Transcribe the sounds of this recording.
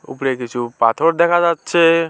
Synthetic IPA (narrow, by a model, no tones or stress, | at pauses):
ʊ̰pɽekɪt͡ʃʰupat̪ʰoɾd̪ɛkʰad͡ʒatːt͡ʃʰe